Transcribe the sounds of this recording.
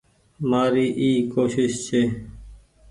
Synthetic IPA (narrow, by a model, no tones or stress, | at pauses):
maːɾiːʔiːkoːʃɪʃt͡ʃʰeː